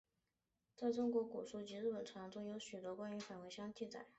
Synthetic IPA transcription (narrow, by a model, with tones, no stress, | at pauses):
t͡sa˥˩ɪʈ͡ʂʊ˥ŋkwɔ˧˥ku˨˩ʂu˥˩t͡ɕi˧˥ɻɻ̩˥˩pə˨˩nʈ͡ʂʰwɑ˧˥ŋʈ͡ʂʊ˥ŋjo˧˥ʊɕy˨˩t̪wɔ˧˥kwa˥ny˧˥fa˨˩nwe˧˥ɪɕjɑ˥ŋt͡ɕi˥˩t͡sa̰˨˩˦ɪ